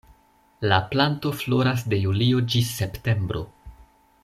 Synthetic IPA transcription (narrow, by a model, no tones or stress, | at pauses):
laplanto̞flo̞ɾas̬de̞julio̞d͡ʒisːe̞pte̞mbɾo̞̰